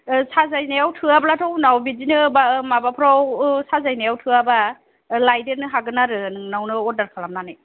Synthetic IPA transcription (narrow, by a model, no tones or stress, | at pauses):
sazajnajawtʰɯablatʰɔwnawbizinɯbamabapʰɯɾawsazajnajawtʰɯaba | lajdenɯɦaɡɯnaɾɯnɯŋnawnɯɔdaɾkʰalamnanɯj